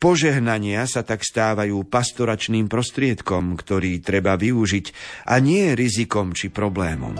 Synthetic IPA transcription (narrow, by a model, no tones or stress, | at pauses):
pɔʒɛɦnaɲɪasat̪akst̪aːʋajuːpast̪ɔɾat͡ʃniːmpɾɔst̪ɾɪɛt̪kɔmkt̪ɔɾiːt̪ɾɛbaʋiuʒicʔaɲɪɛjɛɾizikɔmt͡ʃipɾɔblɛːmɔ̰m